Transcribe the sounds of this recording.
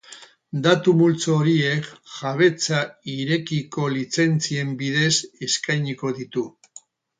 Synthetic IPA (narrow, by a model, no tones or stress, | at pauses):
d̪at̪umult͡soːɾie̞kʝaβ̞e̞t͡saiɾe̞kiko̞lit͡se̞nt͡sie̞mbiðe̞se̞skajɲiko̞ðit̪u